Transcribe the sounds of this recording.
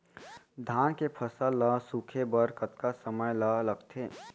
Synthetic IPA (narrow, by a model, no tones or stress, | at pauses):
d̪ʱaːnkepʰəsəlːəsukʰebəɾkət̪kasəməjlələɡt̪ʰeː